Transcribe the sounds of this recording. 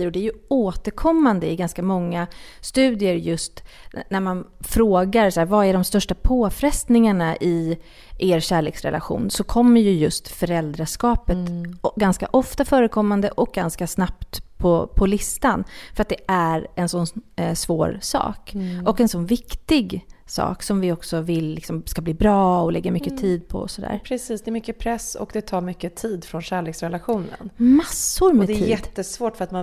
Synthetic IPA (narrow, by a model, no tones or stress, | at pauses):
ɾɔd̪ɛæɾjɵoːt̪əɾkʰɔmːand̪əɪɡanskamɔŋːast̪ʉ̟ːd̪ɪəɾjɵst̪næɾmanfɾoːɡaɾsæːɾvaæɖɔmst̪œʂʈapʰoːfɾɛst̪nɪŋaɳaʔɪ | ʔeːɾɕæːɭeːksɾɛ̰lʔa̰ɧṵːnsɔkʰɔmːəɾjɵjɵst̪fœɾɛld̪ɾaʂkɑːpət̪ɡanska̰ʔɔft̪afœːɾəkʰɔmːand̪əʔɔk̚ɡanskasnapt̪pʰːɔpʰɔlɪst̪anfœɾat̪̚d̪ɛæɾɛnsɔnsvo̰ːɾsɑ̰ːkɔkɛnsɔnvɪkt̪ɪɡsɑ̰ːksɔmvɪɔksɔvɪlːɪksɔmskabliːbɾɑːɔlɛɡːamʏkːət̪ʰiːd̪̚pʰɔ̰sɔd̪æ̰ːɾpʰɾɛsiːsd̪ɛːɾmʏkːəpʰɾɛsːɔ̰kd̪ɛt̪ʰɑːɾmʏkːət̪ʰiːd̪fɾɔnɕæːɭeːksɾɛlaɧuːnə̰nmasːʊɾmdɛɛt̪ːʰiːjɛd̪ːəsvoːʈfœɾat̪ma